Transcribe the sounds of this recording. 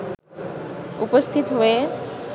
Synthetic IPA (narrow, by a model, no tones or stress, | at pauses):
upəst̪ʰit̪ɦoe